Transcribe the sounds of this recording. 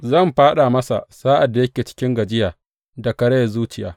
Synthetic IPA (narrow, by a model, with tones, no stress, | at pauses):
zɐ˦˨mɸaː˦ɗa˨mɐ˦sa̰˨saː˦ʔa˨dːa˨jɐ˦kʲeː˨t͡ʃɪ̥˦kʲɪ˦ŋɡɐ˨d͡ʒɪ˦jaː˨ | da˨kɐ˨ɽe˦˨zuː˦t͡ʃɪ˨ja̰ː˦